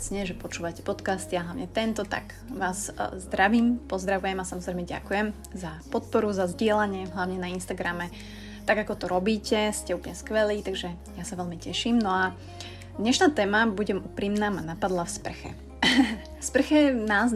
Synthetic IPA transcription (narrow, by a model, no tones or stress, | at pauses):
t͡sɲɛʒɛpɔt͡ʃuːʋacɛ̥pɔt̪kast̪ɪaɦlaʊɲɛt̪ɛnt̪ɔt̪a̰ɡ | ʋaːzzd̪ɾaʋiːmpɔzd̪ɾaʋujɛmasamɔzɾɛjmɛɟa̰kujɛm | zapɔt̪̚pɔɾuzazɟɪɛlaɲɪɛɦlaʊɲɛnainst̪aɡɾamɛ | t̪aɡakɔt̪ɔɾɔbiːcɛscɛuːplɲɛskʋɛliːt̪aɡʒɛ | jasaʋɛlmicɛʃimnɔa | d̪ɲɛʃnaːt̪ɛːmabuɟɛmuːpɾiːmnaːmanapad̪lˠafspr̩xɛ̰ | fspr̩xɛnaːz